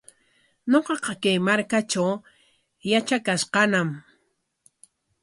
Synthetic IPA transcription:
ɲoqɑqɑkajmaɾkat͡ʃaw | jat͡ʃakaʃqɑnam

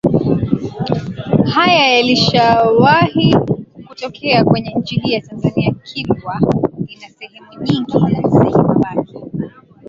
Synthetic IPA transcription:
hajajaliʃawahikutɔkʰɛakwɛɲɛɲ̩t͡ʃihiːjatanzaniakʰilwainasɛhɛmuɲiŋɡizasɛɛmubaki

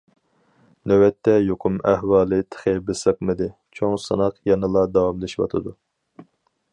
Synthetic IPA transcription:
nøwɛt̪ːɛjoqʰʊmæhwɑːlˠɨt̪ʰə̥χebɨsəq̚mɨd̪ɪ | t͡ʃʰoŋsɨ̰nɑqjɑnɨlˠɑd̪ɑwɑmlɪʃiwɑ̰t̪ʰɨd̪u

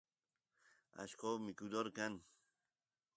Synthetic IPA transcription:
a̰ʃkʰɔmikud̪ɔɾkan

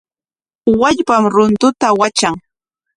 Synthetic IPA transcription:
waʎpamɾʊnt̪ʊt̪awat͡ʃaŋ

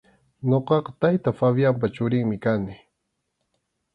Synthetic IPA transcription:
ɲoqɑqɑt̪ajt̪afaβjamp̬at͡ʃʊɾɪŋmɪkanɪ

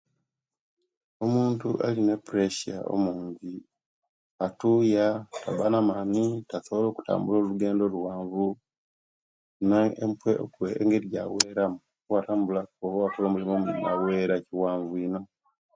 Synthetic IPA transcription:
omuːntuʔalinepuɾeʃa̰ʔo̰muːɲɟi | atujatabanamaːnitasoβolo̞ːku̥ta̰ːmbulo̞ːluɡe̞ːndo̞luwaːɱvu | naempweo̰kweŋɡeɾja̰weːɾamuwataːmbulaoβowatolomulimomna̰weɾaciwaːɱvuino

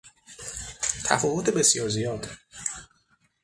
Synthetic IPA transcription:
t̪ʰæ̰fɒːvot̪ʰebe̞sjɒːɾzijɒːd̪̥

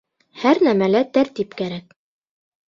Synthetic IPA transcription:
hæɾnæmælæt̪æɾt̪ipkæɾæk̚

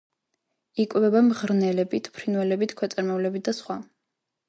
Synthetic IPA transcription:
ikʼvɛbamʁɾnɛlɛbit̪ʰpʰɾinwɛlɛbit̪ʰkʰwɛt̪sʼɛɾmɛvlɛbit̪̚d̪̥asχwa

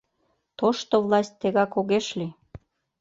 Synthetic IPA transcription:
t̪oʃt̪ovlɑsʲt̚ʲt̪ːeɣɑkoɣeʃli

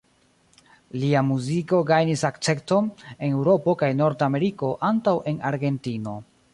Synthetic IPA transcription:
liamuziko̞ɡajnisakt͡se̞kto̞ne̞ne̞wɾo̞po̞kajno̞ɾdame̞ɾiko̞ʔantawʔe̞naɾɡe̞ntino̞

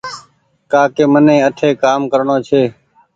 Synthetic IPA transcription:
kaːkeːmənẽːəʈʰeːkaːmkəɾɳoːt͡ʃʰeː

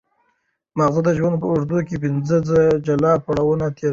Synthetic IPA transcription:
maɣzud̪əʒwand̪̚pəʊʐd̪ukep̬ɪnzəzəd͡ʒalɑpaɽawənat̪ʰeɾ

